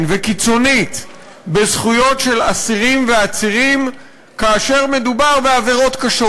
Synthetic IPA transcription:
nvekit͡so̞nit̪ | bezχujo̞tʃe̞lasiʁimve̞at͡siʁim | kaːʃe̞ʁme̞d̪ubaʁbeave̞ʁo̞t̪kaʃo

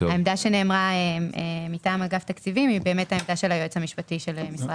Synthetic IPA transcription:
aemdaʃene̞ːmʁaeemitaːmaɡaft̪akt͡sivimibe̞ːmethaemdaʃelajoet͡samiʃpatiʃe̞lemisʁa

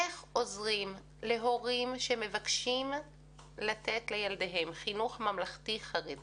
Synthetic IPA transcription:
eχo̞zʁim | le̞ɦo̞ʁimʃeme̞vakʃim | latetlejaldeɦe̞mχinuχmamlaχtiχaʁedi

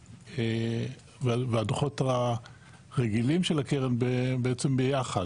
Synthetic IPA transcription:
e | veveadoχota | ʁeɡilimʃelakeʁenbebeet͡sembejaχa

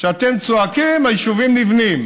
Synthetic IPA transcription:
ʃeat̪emt͡soakimajiʃuvimlivnim

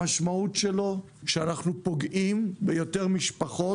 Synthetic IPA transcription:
aʃmautʃe̞lo̞ | ʃeanaχnupo̞ɡʔimbejo̞te̞ʁmiʃpaχo̞

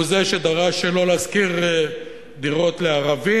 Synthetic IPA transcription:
uzeʃed̪aʁaʃelo̞laskiʁ | d̪iʁo̞t̪le̞aʁavi

